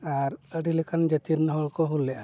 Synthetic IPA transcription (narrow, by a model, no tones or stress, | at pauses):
aɾəɖilɛkʰand͡ʒət̪iɾnɔɦɔɭkɔɦulːɛʔa